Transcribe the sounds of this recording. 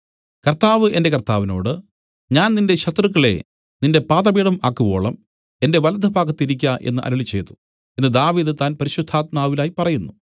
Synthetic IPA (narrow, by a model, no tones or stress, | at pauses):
kɐrt̪aːʋɨʔe̞nde̞kɐrt̪aːʋino̞̰ːɽɨ | ɲaːnninde̞ɕɐt̪rɨk̬ːɐɭe̞̰ | ninde̞paːðɐbiːɽɐma̰ːkːubo̞̰ːɭɐm | e̞nde̞ʋɐlɐd̪ʱɐbʱaːɡɐt̪ːiɾikʲːɐʔenːɨʔɐ̰nɐɭit͡ɕːe̞jt̪ːu̥ | enːɨd̪aːʋiːðɨt̪aːnpɐɾiɕud̪ʱːaːt̪̚maːʋilaːjipɐrɐjunːu